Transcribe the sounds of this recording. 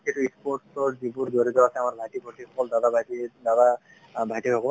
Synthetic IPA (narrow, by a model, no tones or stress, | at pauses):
etuispɔɹʈsɔɹzibuɹdoɾit̪ɔasɛamaɹbʱajtibʱɔtikʰɔkɔld̪ad̪abʱajtidad̪a | bʱajtikʰɔkɔl